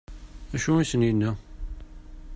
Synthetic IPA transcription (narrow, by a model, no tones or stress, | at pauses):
æʃuisəninːæ